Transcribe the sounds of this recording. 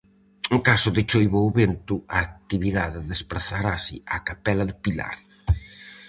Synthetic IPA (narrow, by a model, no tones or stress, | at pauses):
uŋkasʊðet͡ʃojβowβent̪ʊaːk̚t̪iβiðaðɪðespɾaθaɾasɪakapɛlɐðʊpila̰ɾ